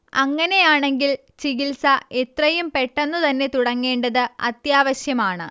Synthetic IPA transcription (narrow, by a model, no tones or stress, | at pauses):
ɐŋːɐne̞jaːɳe̞ŋɡil | t͡ɕiɣilsɐet̪rɐjumpeʈːenːut̪ɐnːe̞t̪uɽɐŋːeːɳɖɐðɨɐ̰t̪jaːʋɐɕjɐmaːɳɨ